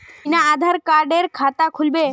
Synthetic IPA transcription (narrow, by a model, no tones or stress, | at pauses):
inaːd̪ʱaɾkaɾɖeɾkʰat̪akʰulbe